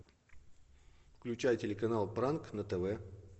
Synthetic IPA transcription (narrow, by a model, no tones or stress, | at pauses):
fklʲʉt͡ɕæjtʲɪlʲɪkɐnalˠpɾanknət̪ɛvɛ